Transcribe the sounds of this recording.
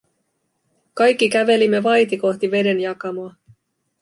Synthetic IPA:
kɑjkːikæʋe̞limːe̞ʋɑjt̪iko̞xt̪iʋe̞de̞njɑkɑmoɑ

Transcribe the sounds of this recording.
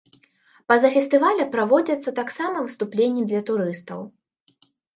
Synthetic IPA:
pɐzɐfʲɛst̪ɨvalʲɐpɾavɔd͡zʲɐt̪sːɐt̪aksamɐvɨst̪uplʲenʲːid̪lʲɐt̪uɾɨst̪ɐ̰w

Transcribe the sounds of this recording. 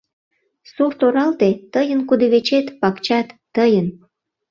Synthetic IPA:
surt̪oɾɑlt̪et̪əjənkud̪eβet͡ɕet̪pɑkt͡ɕɑt̪ːəjən

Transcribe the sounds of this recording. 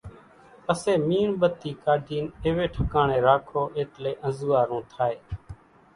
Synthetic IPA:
əseːmiːɳɓət̪iːkaːɖʱiːneːʋeːʈʰəkaːɳeːɾaːkʰoːʔeːt̪leːʔə̃zuːaːɾũːt̪ʰaːeː

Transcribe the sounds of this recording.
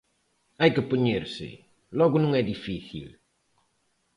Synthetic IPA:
ajkɨpuɲeɾsɪ̰ | lɔɣʊnũŋɛd̪ifiθḭl

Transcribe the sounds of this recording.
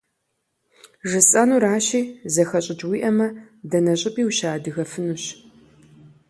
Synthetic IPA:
ʒɨsʼɐnuːɾaːɕiːzɐxɐɕʼɪt͡ʃʼwiːʔɐmɐ | dɐnɐɕʼɪpʼiːwɕaːdɨɣɐfɨnuɕ

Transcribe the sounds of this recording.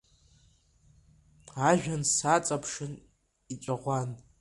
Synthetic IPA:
aʒᶣansat͡sʼapʰʂɨn | it͡ʃʷʼaʁʷan

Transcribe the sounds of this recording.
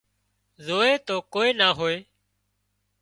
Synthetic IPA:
zoːeːt̪oːkoːeːnaːɦoːeː

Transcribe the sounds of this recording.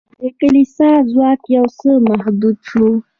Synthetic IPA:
d̪əkalisɑzwɑkjawsəmahd̪ud̪ʃu

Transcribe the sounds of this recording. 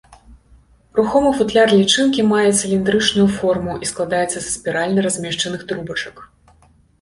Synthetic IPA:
ruxɔmɨfut̪lʲarlʲit͡ʂɨnkʲimajɛt̪sʲɨlʲind̪ɾɨt͡ʂnujufɔrmuʔisklˠad̪ajɛt̪sːɐssʲpʲiɾalʲnɐɾazʲmʲɛʂt͡ʂɐnɨxt̪ɾubɐt͡ʂɐk

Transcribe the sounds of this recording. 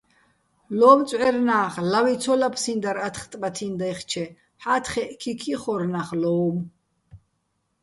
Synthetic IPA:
lɔːmt͡sʼʕɛɾnaːχlawit͡sʰɔlapʰsind̪aɾat̪ʰχt̪ʼbat̪ʰind̪ajχt͡ʃʰɛ | ħat̪ʰχɛʔkʰikʰiχɔɾnaχlɔːm

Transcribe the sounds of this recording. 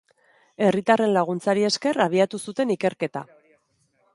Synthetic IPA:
e̞rit̪are̞nlaɣ̞unt͡saɾie̞ske̞raβ̞iat̪usut̪e̞nike̞ɾke̞t̪a̰

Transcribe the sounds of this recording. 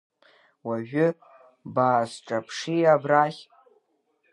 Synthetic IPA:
waʒᶣʏ | baːsʈ͡ʂʼapʰʂiabraχʲ

